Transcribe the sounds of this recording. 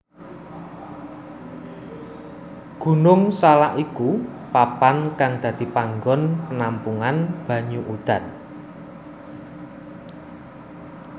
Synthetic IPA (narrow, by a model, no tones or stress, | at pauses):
ɡ̥ṳnʊŋsalaʔiku | papankaŋd̪̥ä̤d̪̥i̤paŋɡɔnpənampuŋanb̥ä̤ɲuʔud̪̥ä̤n